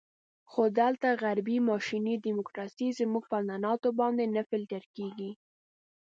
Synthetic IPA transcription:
xod̪alt̪aɣaɾbimɑʃinid̪imʊkɾɑsizəmuɡ̚pananɑt̪obɑnd̪enafɪlʈ̪əɾkeɡi

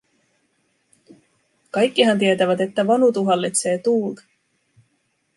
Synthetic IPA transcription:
kɑjkːiɦɑnt̪̬iet̪æʋæt̪e̞t̪ːæʋɑnut̪uɦɑlːit̪se̞ːt̪uːt̪

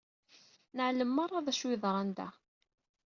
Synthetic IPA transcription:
nəʕləmːɑɾˤːɑðˤæʃwɪðˤɾˤænd̪æ̰

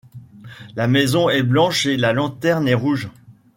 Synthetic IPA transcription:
lamɛzɔ̃ɛblɑ̃ʃelalɑ̃t̪ɛʁnɛʁuʒ

